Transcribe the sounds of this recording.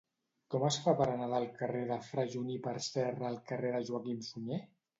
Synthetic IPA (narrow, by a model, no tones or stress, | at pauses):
kɔməsfapəɾanaðaːlˠkəreðəfɾaʒunipəɾsɛrəːlˠkəreðəʒuakimfuɲe